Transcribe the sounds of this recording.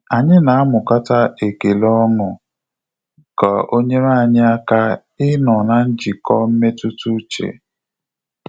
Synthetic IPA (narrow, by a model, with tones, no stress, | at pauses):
a˨ɲɪ˦na˨a˦mʊ˨ka˦ta˦e˨ke˨lɔ˦ŋʊ˨ | ka˨ʔo˦ɲe˦ma˦˨ɲɪ˦a˦ka˦ | ɪ˦nɔ˨na˨n̩˦d͡ʒi˨kɔ˦m̩˦me˦tu˦tu˦t͡ʃḛ˨